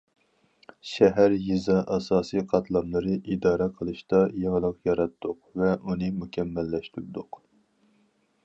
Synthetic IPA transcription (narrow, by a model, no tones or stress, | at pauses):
ʃɛɦæɾjizɑʔɑsɑːsɨjqʰɑt̪ʰlˠɑmlˠɨɾɨʔid̪ɑːɾɛqʰəlˠɨʃt̪ɑjɑŋlˠəqjɑɾɑt̪ːʊqvɛʔunɨmukʲʰɛmːɛlːɛʃt̪yɾd̪ʊq